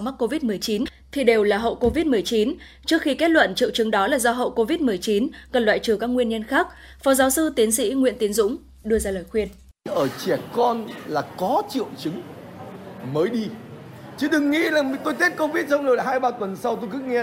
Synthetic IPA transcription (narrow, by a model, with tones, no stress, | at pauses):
ma˦˥k̚kːo˧vi˦˥t̚mɨ˨˩əjt͡ɕi˨˦n | t̪ʰi˨˩ɗe˨˩wlaː˨˩ɦə̰˧˨wko˧vi˦˥t̚m˨˩əjt͡ɕi˨˦n | t͡ɕɨ˦˥ək̚xi˧kɛ˦˥t̚lwə̰˧˨nt͡ɕḭ˧˨əwt͡ɕɨ˨˦ŋɗɔ˨˦laː˨˩zɔ˧ɦə̰˧˨wko˧vi˦˥t̚mɨ˨˩əjt͡ɕi˨˦nkə˨˩nlwa̰ː˧˨jt͡ɕɨ˧˩kaː˦˥k̚ŋwi˧ənɲə˧nxaː˦˥k̚ | fɔ˨˦zaː˨˦wsɨ˧t̪i˨˦ənsḭ˧˥ŋwḭ˧˨ənt̪i˨˦nzʊ̰˧˥ŋ͡m | ɗɨ˧əzaː˧ləː˨˩jxwi˧ən | ʔəː˧˩t͡ɕɛ˧˩kɔ˧nlaː˨˩kɔ˨˦t͡ɕḭ˧˨əwt͡ɕɨ˨˦ŋ | məː˨˦jɗi˧t͡ɕɨ˨˦ɗɨ˨˩ŋːḭ˧˥laː˨˩ŋ˨t̪o˧jt̪ʰi˦˥t̚kə˧vi˦˥t̚sa˧wŋ͡mlo˨˩a˨˩ɦaː˧jɓaː˧t̪wə˨˩nsa˧wt̪o˧jkɨ̰˧˥ŋɛ˧